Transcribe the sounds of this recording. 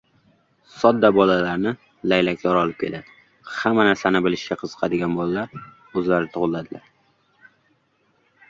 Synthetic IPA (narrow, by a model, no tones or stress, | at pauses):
sɒd̪ːabɒlalaɾnɪ | lajlakʲʰlɒɾɒlˠɪp̚kʲʰe̞lad̪ɪ | hamːanaɾsanɪbɪlɪʃɡʲaqʰɨz̥ɨ̥qʰɑd̪ɪɡʲanbɒlalaɾ | ɵzlaɾɪt̪ʰʊʁɨlːad̪ɪlʔa̰ɾ